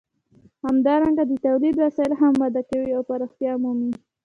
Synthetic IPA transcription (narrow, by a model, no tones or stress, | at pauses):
hamd̪ɑɾaŋɡad̪ət̪awlid̪wasɑjɪlɦamːɑd̪akawiawpaɾɑxt̪jɑmumi